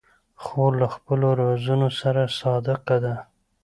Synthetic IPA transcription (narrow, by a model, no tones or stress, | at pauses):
xolaxpəloɾɑzunosaɾasɑd̪ɪqad̪a